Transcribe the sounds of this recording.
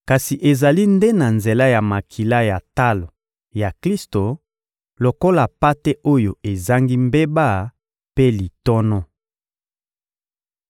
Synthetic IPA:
ka˨si˨ʔe˨za˨li˦nde˦na˨nze˨la˦ja˨ma˨kʰi˨la˦ja˨ta˦lo˨ | ja˨kli˦sto˨ | lo˨ko˦la˨pa˦te˦ʔo˦jo˨e˨za˦ŋɡi˦mbe˦ba˦˨ | pe˦li˨tɔ˦nɔ˦

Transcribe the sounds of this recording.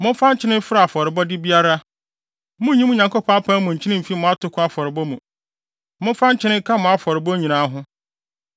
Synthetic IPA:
mʊ̃˦fã˦ɲ˦t͡ɕʰɪ˦nɪ̃˦m̩˦fɪ˦ɾa˨fɔ˨ɾɪ˨bɔ˦dɪ˦bi˦a˦ɾa˦ | mʊ̃˦ɲĩ˦mũ˦ɲã˨ŋko˦pʰɔ̃˦pʰã˦mʊ̃˨ɲ̩˨t͡ɕʰɪ˦nɪ̃˦m̩˨fi˦mʊ̃˨a˦tʰʊ˨˦kʰʊ̃˦a˦˨fɔ˨ɾɪ˨bɔ˦mũ˨ | mʊ̃˦fã˦ɲ˦t͡ɕʰɪ˦nɪ̃˦kʰã˦mʊ̃˨a˦fɔ˨ɾɪ˨bɔ˦ɲĩ˨nãː˨˦ɦʊ̃˦

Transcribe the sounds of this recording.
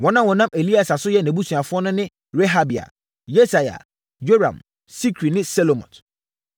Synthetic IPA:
wɔ̃˦nã˦wɔ̃˨nã˦me˨li˦a˨sa˨sʊ˦jɛ˦nɛ̃˨bu˦su˨a˨fʊ˦ɔ˦nʊ̃˦nɪ̃˦ | ɾe˦ɦa˦bi˨a̰˨ | je˦sa˨ja̰˨ | jo˦ɾã̰˨m | si˦kʰɾi˨nɪ̃˦sɛ˦lo˨mɔ̰̃˨t

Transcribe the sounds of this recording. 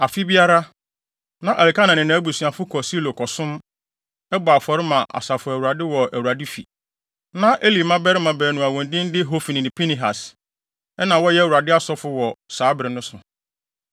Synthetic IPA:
a˨fi˦bi˦a˦ɾa˦ | nã˦ʔa˨li˨ka˦nã˨nɪ̃˨nã˨˦bu˨sɥa˨fʊ˦kʰɔ˨si˦lo˨kʰɔ˨sʊ̃˦m | ɛ˦bɔ˨a˨fɔ˨ɾɪ˦mã˨ʔa̰˨sa˨fʊ˨æ˨wu˨ɾa˨dɪ˦wɔ˨æ˨wu˨ɾa˨dɪ˦fi˨ | nã˦ʔe˦li˨mã˦bɛ˦ɾɪ˦mã˨bɛ˨nʊ̃˨a˨wɔ̃˨ndĩ˦n̩˦dɪ˦ɦo˦fi˨nĩ˨nɪ̃˨pʰi˦nĩ˨ɦa˨s | ɛ˦nã˨wɔ˦jɛ˦˨wu˨ɾa˨dɪ˦a˦sɔ˦fʊ˦wɔ˨saː˨˦bɪ˨ɾɪ˨nʊ̃˦sʊ˨

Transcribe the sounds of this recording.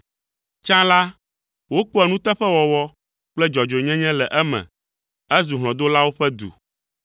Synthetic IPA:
t͡ʃã˦la˦ | wo˦k͡po˦ɛ˨nũ˦t̪ɛ˦ɸɛ˦wɔ˨wɔ˦ | k͡plɛ˦d͡ʒɔ˨d͡ʒo˨ɲɛ̃˦ɲɛ̃˦lɛ˨ʔɛ˦mɛ̰̃˨ | ɛ˦zu˨ɦlɔ̃˨d̪o˦la˦wo˦ɸɛ˦d̪ṵ˨

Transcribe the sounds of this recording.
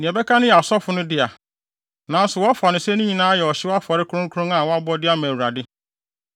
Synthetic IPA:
nɪ̃˨ɛ˨bɛ˦kʰa˦nʊ̃˦jɛ˨a˨sɔ˦fʊ˨nʊ̃˦dɪ˦a˨ | nã˨˦n˦sʊ˨wɔ˦a˦fa˨nʊ̃˨sɛ˦nʊ̃˦ɲĩ˨nãː˦jɛ˨ɔ˨ɕɪ˦wa˦fɔ˨ɾɪ˦kʰu˦ɾʊ̃˦ŋ˦kʰu˦ɾʊ̃˦ŋa˨wɔ˦a˦bɔ˦dɪ˦a˦mɛ̃˨wu˨ɾa˨dɪ˦

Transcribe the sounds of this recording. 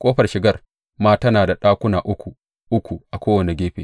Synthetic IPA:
kʷʼoː˦ɸɐ˨rʃɪ˨ɡɐ˦˨r | maː˦tɐ˦naː˨da˨ɗaː˦kʷʊ˦naː˨ʔʊ˦kʷu˨ | ʔʊ˦kʷu˨ʔa˨kʷoː˦wɐ˨ne˨ɡʲeː˦ɸḛː˨

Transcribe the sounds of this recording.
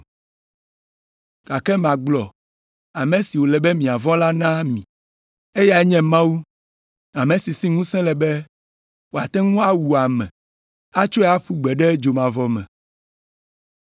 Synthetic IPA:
ka˨kɛ˦mã˨ɡ͡blɔ˨ | a˨mɛ̃˨si˨wo˨lɛ˨bɛ˦mĩ˨a˨vɔ̃˦la˦nã˦mĩ˨ | e˦ja˨ɛ˦ɲɛ̃˦mã˦wu˦ | a˨mẽ˨si˨si˦ŋũ˦sɛ̃˦lɛ˨bɛ˦ | wo˨a˨t̪ɛ̃˦ŋũ˦a˦wu˨a˨mɛ̰̃˨ | a˦t͡ʃo˦ɛ˦a˦ɸu˦ɡ͡bɛ˨ɖɛ˦d͡ʒo˨mã˨vɔ˨mɛ̰̃˨

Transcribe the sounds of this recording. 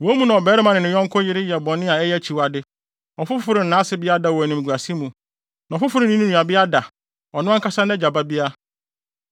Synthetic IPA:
wɔ˨˦mũ˦nã˨ɔ˨bɛː˨˦ɾɛ˦mã˨nɪ̃˨nɪ̃˨jɔ̃˦ŋ̩˦kʰʊ˦jɪ˦ɾɪ˦jɛ˨bɔ̃˨n˦ɪ̃˦a˨ɛ˦jɛ˦˨t͡ɕʰi˨wa˨dɪ˦ | ɔ˨fʊ˦ffʊ˦ɾɪ˨n̩˨nãː˨˦sɪ˦bɪ˦a˦da˨wɔ˨nʊ̃˨m˨ɡʷu˨a˨si˦mũ˨ | nã˨fʊ˦fʊ˦ɾɪ˨nĩ˦nũ˦ũ˨a˨bɪ˦a˦da˨ | ɔ˨nʊ̃˦a˦kʰa˦sã˦nɛ˦d͡ʑa˨ba˦bi˦a˦

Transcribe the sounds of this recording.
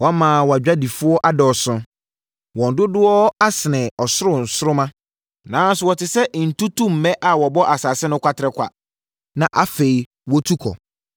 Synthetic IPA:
wɔ˨˦mãː˨wɔ˨a˨d͡ʑᶣa˦di˨fʊ˦ɔ˦ʔa˦dɔ˨sʊ̃˦ | wɔ̃˨n̩˨dʊ˦dʊ˦ɔ˦a˦sɪ˨nɛ̃˨ɔ˨sʊ˦ɾʊ̃˨n̩˨sʊ˦ɾʊ˦mã˦ | nãː˨˦n˦sʊ˨wɔ˨tʰɪ˨sɛ˦ʔn̩˨tu˦tũ˦m̩˨mɛ̃˦ʔa˨wɔ˨bɔ˦ʔa˨saː˨sɪ˦nʊ̃˦kʷʰa˦tʰɪ˨ɾɛ˨kʷa̰˨ | nã˨ʔa˨fe˨i˨ | wɔ˦tʰu˦kʰɔ̰˨

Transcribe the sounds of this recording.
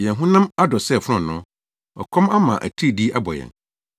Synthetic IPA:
jɛ̃˨nɦũ˦nã˦ma˦dɔ˨sɛ˦˨fʊ˦ɾʊ̃˦˨nʊ̃˦ | ɔ̰˨kʰɔ̃˦ma˦mã̰˨ʔæ̰˨tʰi˦˨di˦a˦bɔ̰˨jɛ̰̃˨n

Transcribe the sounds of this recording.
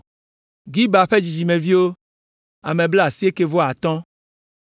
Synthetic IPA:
ɡi˦ba˨ɸe˦d͡ʒi˨d͡ʒi˨mẽ˨vi˦wo˦ | a˨mẽ˨ble˦a˨si˦e˦ke˨vo˦a˨t̪ɔ̃˦

